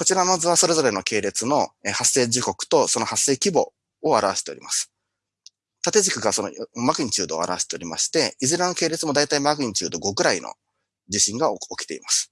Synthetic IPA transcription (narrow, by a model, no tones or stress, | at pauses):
ko̞t͡ɕiɾano̞zɨβaso̞ɾe̞zo̞ɾe̞no̞ke̞ːɾe̞t͡sɨno̞ehasːe̞ːd͡ʑɨko̞kɯ̟̥t̪o̞so̞no̞hasːe̞ːkʲibo̞̰ | oaɾaβaɕe̥t̪eo̞̰ɾimasɨ̥ | t̪at̪e̞zikɯ̟ɡaso̞no̰makɯ̟iɲ̟t͡ɕɨːd̪o̞̰ːa̰ɾa̰βaɕe̥t̪eoɾʲima̰ɕi̥t̪e̞izɨɾano̞ke̞ːɾe̞t͡sɨmo̞d̪ait̪aimakɯ̟ĩɲ̟t͡ɕɨ̰ːd̪o̞ɡo̞kɯ̟ɾainʔo̰ | d͡ʑiɕĩŋɡaokʲi̥t̪e̞̰ḭmasɨ̥